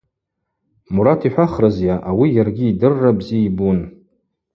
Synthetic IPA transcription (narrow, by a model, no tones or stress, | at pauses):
muɾatʰiħʷᶣaχrazjaʔawijarɡʲiːdɨrːabziibun